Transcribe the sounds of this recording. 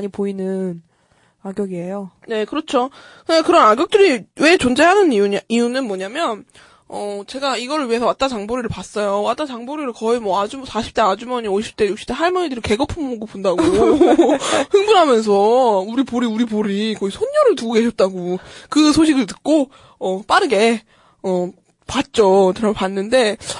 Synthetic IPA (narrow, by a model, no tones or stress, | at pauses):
aɲipoinɯn | aɡjʌɡiejo | ne̞kɯɾʌt͡ɕʰo | kɯɡakɯɾʌnaɡjʌk̚t͈ɯɾiwe̞t͡ɕond͡ʑe̞ɦanɯniuijunɯnmwʌɲamjʌn | ʌt͡ɕe̞ɡaiɡʌɾɯɭɥiɦe̞sʰʌwat͈at͡ɕaŋboɾiɾɯɭpas͈ʌjowat͈at͡ɕaŋboɾiɾɯɭkʌimwʌad͡ʑusʰaɕʰi̥p̚t͈ʰead͡ʑumʌɲioɕʰi̥p̚t͈e̞juk̚ɕ͈i̥p̚t͈eɦaɭmʌɲidɯɾike̞ɡʌpʰɯmoɡɯpondaɡo | hɯŋbuɾɦamjʌns̬ʰʌuɾipoɾiuɾipoɾikʌisʰonːʌɾɯɭtuɡoke̞ɕʰʌt̚t͈aɡokɯsʰoɕʰiɡɯɭtɯ̥k̚k͈o | ʌp͈aɾɯɡe̞ | ʌ | pat̚t͡ɕ͈ot͡ɕɯɾʌpanːɯnde̞